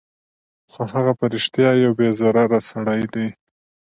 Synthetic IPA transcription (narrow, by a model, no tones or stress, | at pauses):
xohaɣapaɾɪʃt̪jɑjawbezaɾaɾasaɽajd̪e